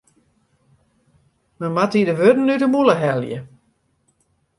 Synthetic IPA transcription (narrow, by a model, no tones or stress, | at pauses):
məmatidəʋødn̩ːydəmuləɦɛlˠjə̰